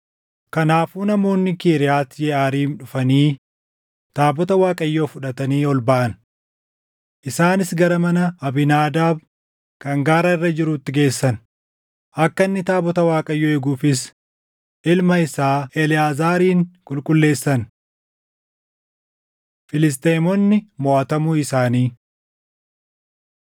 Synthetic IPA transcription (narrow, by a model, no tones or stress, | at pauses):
kɐnaːfuːnɐmo̞ːnːɪkeːɾɪjaːt̪jɛaːɾiːnᶑʊfɐniː | t̪aːbɔt̪ɐwaːkʼɐjːoːfʊᶑɐt̪ɐniːɔlbɐʔɐn | ʔɪsaːnɪsɡɐɾɐmɐnɐɐbɪnaːd̪aːb | kɐŋɡaːɾɐɪrːɐd͡ʒɪɾuːt̪ːɪɡe̞ːsːɐn | ʔɐkːɐnːɪt̪aːbɔt̪ɐwaːkʼɐjːoːɛɡuːfɪs | ʔɪlmɐɪsaːɛlɪjaːzaːɾiːŋkʼʊlkʼʊlːe̞ːsːɐn | fɪlɪs̬t̪eːmɔnːɪmɔʔɐt̪ɐmuːɪsaːniː